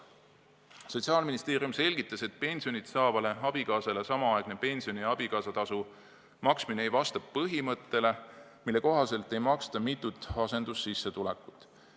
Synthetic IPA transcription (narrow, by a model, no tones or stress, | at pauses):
so̞t̪ʲsiɑːlminist̪e̞ːɾijumse̞lʲɡ̥it̪ːˑɑse̞t̪̚pe̞nʲsio̞nit̪sɑːvɑle̞ɑb̥ikɑːsɑlesɑmɑɑeɡ̥ne̞pe̞nʲsio̞niɑb̥ikɑːsɑt̪ɑsu | mɑksmineejvɑst̪ɑppɤɦimɤt̪ːe̞le̞ | milːe̞ko̞ɦɑse̞lt̪ˑːe̞jmɑkst̪ɑmit̪ːˑut̪ːˑɑse̞nd̪̥usːisːe̞t̪uleku̥t̪ːˑ